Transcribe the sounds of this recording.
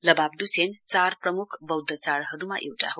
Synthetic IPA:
lʌbab̚dusʰent͡sarprʌmukʰbʌwd̪ʱət͡saɽɦʌɾumaʔewʈa̰ɦo

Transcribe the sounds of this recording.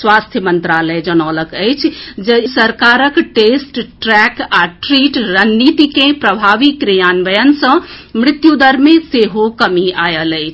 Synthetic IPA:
swast̪ʰjəmənt̪ɾaləjd͡ʒənɔləkəjt͡ʃʰd͡ʒesəɾkaɾəkʈesʈʈɾɛkaʈɾiʈɾənːit̪ikẽpɾəbʱaʋikɾijanʋəjənsə̃mɾit̪jud̪əɾmẽseɦokəmiajələjt͡ʃʰ

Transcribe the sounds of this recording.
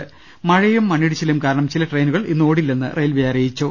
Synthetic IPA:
ɨ | mɐɻɐjumːɐɳːiɽit͡ɕːɐljumkaːɾɐɳɐmt͡ɕilɐʈrejnuɣɐɭinːɨoːɽilːenːɨ̰rʔɐjlʋijaːɾɐjit͡ɕːo

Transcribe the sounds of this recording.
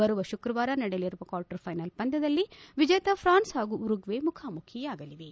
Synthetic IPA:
bɐɾuʋɐʃukɾɐʋaːɾɐnɐɽejɐliɾuʋɐkaːɾʈɐɾpʰɐjnɐlpɐnd̪ɐd̪ɐlːiʋid͡ʒɐjɐt̪ɐpʰɾaːnsɦaːɡuːɾuɡʋemukʰaːmukʰijɐaːɡɐliʋe

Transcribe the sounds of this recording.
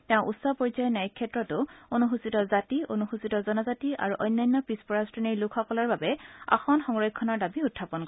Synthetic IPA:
tɛʊ̃ʔutsɔpɔɹizajɛnajikʰːɛtɹɔtʊonuxusitɔzationuxusitɔzɔnɔzatiʔa̰ɹuʔɔjnːajnːɔpispɔɹastɹɔniɹlukʰxɔkɔlaɹbabɛa̰xɔnxɔŋɹɔjkʰːɔnaɹdabiutʰːapɔnkɔɛ

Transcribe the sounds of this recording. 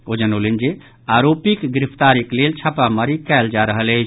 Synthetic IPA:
od͡ʒənolind͡ʒe | aɾopikɡɾipʰt̪aɾiklelt͡ʃʰapaməɾikɛld͡ʒaɾəɦələt͡ʃʰ

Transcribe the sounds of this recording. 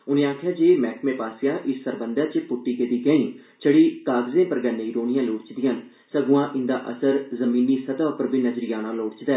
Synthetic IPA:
ʊnẽːaːkʰjaːd͡ʒeːmɛːkʰmẽːpaːsɪjaːʔɪsːəɾbənd̪əɾt͡ʃəpʊʈːiːked̪iːɡə̃ĩː | t͡ʃəɽiːkaːɡzẽːpəɾɡənẽːiːɾoːnɪjãːloːɽt͡ʃd̪ɪjãːn | səɡʊãːʔɪ̃nd̪aːʔə̰səɾzəmiːnːiːsət̪aːʊpəɾbiːnəzɾɪjaːnãːloːɽt͡ʃd̪ɛː

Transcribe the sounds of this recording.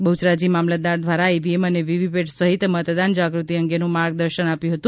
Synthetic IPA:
bəut͡ʃɾad͡ʒimamlad̪aɾd̪ʱʋaɾaebieməneʋiʋipeʈsəɦit̪mət̪d̪and͡ʒaɡɾut̪iəŋɡenũmaɾɡ̚d̪əɾʃənapjũɦət̪ũ

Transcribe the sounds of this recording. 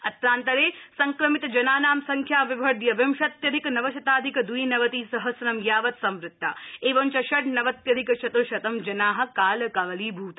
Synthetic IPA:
ɐt̪ɾaːnt̪ɐɾeːsɐŋkɾɐmit̪ɐd͡ʒɐnaːnaːmsɐŋkʰjaːʋibʱɐɾd̪jɐʋɐmʃɐt̪jɐd̪ʱikɐnɐʋɐʃɐt̪aːd̪ʱikɐd̪uinɐʋɐt̪iːsɐɦɐsɾɐmjaːʋɐt̪sɐmɾɪt̪ːa̰ːeːʋɐnt͡ʃɐʃɐʈnɐʋɐt̪jɐd̪ʱikɐʃɐt̪oʃɐt̪ɐmd͡ʒɐnaːɦɐ̆kaːlɐkɐʋɐliːbʱuːt̪ɐ

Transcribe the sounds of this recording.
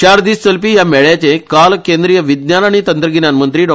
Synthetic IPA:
ɕaɾd̪iːssəlpijamɛɭjat͡ɕẽkalkend̪ɾijəʋid̪njanaɽ̃it̪ənt̪ɾəɡinanmənt̪ɾiːɖɔ

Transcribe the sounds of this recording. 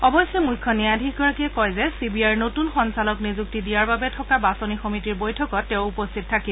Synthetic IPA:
ɔbɔsjɛmujkʰːɔniadʱikɡɔɹakiɛkɔjzɛsibiajɹnotunxɔnsalɔknizuk̚tidijaɹbabɛtʰɔkabasonixɔmitiɹbojtʰɔkɔtːɛʊupostʰit̚tʰːaki

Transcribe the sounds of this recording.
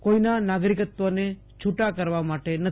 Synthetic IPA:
koinanaɡɾikət̪ʋone | t͡ʃʰuʈakəɾʋamaʈenə

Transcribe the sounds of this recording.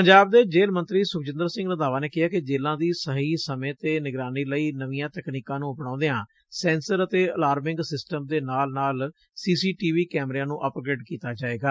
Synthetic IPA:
pəɲd͡ʒaːb̚d̪eːd͡ʒeːlmə̃nt̪ɾiːsʊkd͡ʒɪ̃nd̪əɾsɪ̃ŋɡnad̪aːʋaːneːkɪaːkɪd͡ʒeːlãːd̪iːsəɦiːsəmẽːt̪eːnɪɡɾaːniːləiːnəʋiːjãːt̪əkniːkãːnũːʊpnãːd̪ejãː | sɛ̃ːnsəɾət̪eːəlaːɾmɪ̃ŋɡsɪsʈəmd̪eːnaːlnaːl | siːsiːʈiːʋiːkɛːmɾeãːnũːʔəːpɡɾeːʈkiːt̪aːd͡ʒaːeːɡaː

